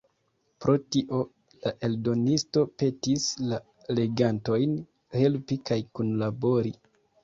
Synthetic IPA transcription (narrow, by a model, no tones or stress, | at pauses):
pɾo̞tiʔo̞ | laʔe̞ldo̞nisto̞pe̞tisla | le̞ɡanto̞jn | he̞lpikajkunlabo̞ɾi